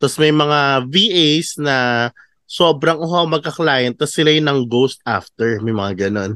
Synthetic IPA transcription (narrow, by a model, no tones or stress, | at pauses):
t̪ɐsmɐjmɐŋaviːʔejsnɐ | so̞ːbɾɐŋʊɦawmɐɡ̚kɐklaːjɛnt̪̚t̪ːɐsːɪlajʊnɐŋɡowst̪̚ʔa̰ft̪ɛɹmɐjmɐŋaɡɐno̞n